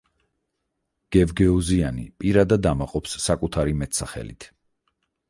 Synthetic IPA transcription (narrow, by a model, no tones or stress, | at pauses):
ɡ̥ɛvɡɛɔzianḭpʼiɾad̪ad̪amaqʼɔpsːakʼut̪ʰaɾimɛt̪ʰsaχɛ̰lḭt̪ʰ